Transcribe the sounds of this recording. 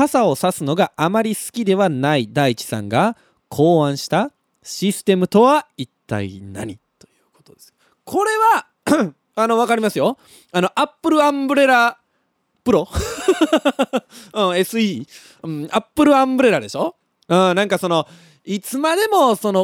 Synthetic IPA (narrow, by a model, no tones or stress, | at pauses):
asao̞sasɨno̞ɡaʔːmaɾʲisɨ̥kʲid̪e̞βanaid̪ait͡ɕi̥sã̰ŋɡa | kʰo̞ːãɰ̃ɕi̥t̪a | ɕisɨ̥t̪e̞mɯ̟t̪o̞βait̪ːa̰ḭna̰ɲ̟it̪o̞jɯ̟ːko̞t̪od̪e̞sɨ̥o | kʰo̞ɾe̞βa | ano̞β̞akaɾʲimasɨjo̞ | ano̞ʔapːɯ̟ɾɯ̟ãmbɯ̟ɾe̞ɾa | pɯ̟ɾo̞ | ɯ̃e̞sɨi | ɯ̃apːɯ̟ɾɯ̟ãmbɯ̟ɾe̞ɾad̪e̞ɕo̞ | ɯ̟̃ːnãŋkaso̞no̞ | it͡sɨmad̪e̞mo̞so̞no̞